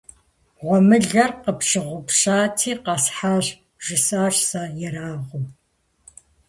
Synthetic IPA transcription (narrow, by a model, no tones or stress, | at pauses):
ʁʷɔmɨɮɐrqəpʃɨʁʷʊpɕaːtʰiːqɑsħaːɕ | ʒ̥ɪsaːɕsajɛɾaːʁʷʊm